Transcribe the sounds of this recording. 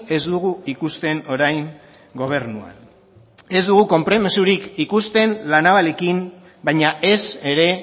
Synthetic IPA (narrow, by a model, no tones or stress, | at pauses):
e̞zd̪uɣuikust̪e̞no̞ɾajŋ | ɡo̞β̞e̞ɾnua̰n | e̞zd̪uɣ̞uko̞mpɾo̞mesuɾikikust̪e̞nlanaβale̞kim | bajɲaʔe̞se̞ɾe̞